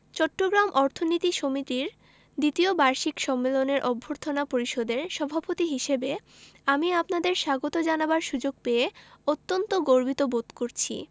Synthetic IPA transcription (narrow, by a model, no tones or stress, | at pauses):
t͡ɕɔʈːoɡɾamʔɔɾt̪ʰonit̪iʃomit̪iɾ | d̪it̪iobaɾʃikʃɔmːeloneɾʔɔbʱːoɾt̪ʰonapoɾiʃod̪eɾʃɔbʱapot̪iɦiʃebeamiapnad̪eɾʃaɡot̪od͡ʑanabaɾʃud͡ʑoɡ̚peeot̪ːont̪oɡoɾbit̪obod̪koɾt͡ɕʰḭ